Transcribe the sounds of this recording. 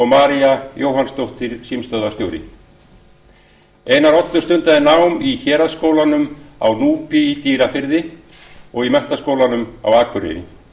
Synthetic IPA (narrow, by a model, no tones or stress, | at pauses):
owmaːɾiajoːwɦanst̪owht̪ɪɾ̥siːmst̪œðast̪jowɾɪ̰ | eːjnaɾɔt̪nʏ̥st̪ʏnt̪aðɪnaːwmiçɛːɾaskoːwlanʏma̰wnuːpiit̪iːɾafɪɾðɪ | ɔɣimɛn̥t̪askowlanʏma̰waːkʰvʏɾɪ̰nɪ̰